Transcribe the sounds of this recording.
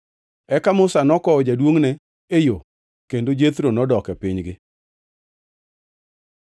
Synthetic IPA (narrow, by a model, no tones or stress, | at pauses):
ɛkamʊsanɔkɔɔd͡ʒadwoŋnɛ | ejo | kendod͡ʒet̪ɾonɔdɔkɛpɪɲɡɪ